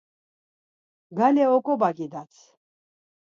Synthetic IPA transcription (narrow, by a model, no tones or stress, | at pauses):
ɡalɛɔkʼɔbaɡid̪at͡sʰ